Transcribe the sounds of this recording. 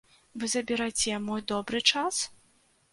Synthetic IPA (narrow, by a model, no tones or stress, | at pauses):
vɨzɐbʲiɾajt͡sʲɛmɔjd̪ɔbɾɨt͡ʂas